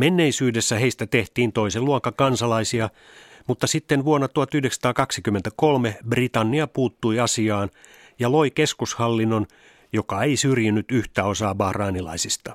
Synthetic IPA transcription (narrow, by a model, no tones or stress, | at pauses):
menːe̞isyːdesːæheist̪æt̪e̞ht̪iːnt̪o̞iseluɑkːɑkɑnsɑlɑisiɑ | mut̪ːɑsit̪ːenʋuonːɑt̪uhɑt̪yhdeksɑt̪ɑːkɑksikymːent̪ækolmebrit̪ɑnːiɑpuːt̪ːujɑsiɑːn | jɑlo̞ike̞skushɑlːinːon | jokɑeisyrjynːyt̪yht̪æo̞sɑːbɑhrɑːnilɑ̰isist̪ɑ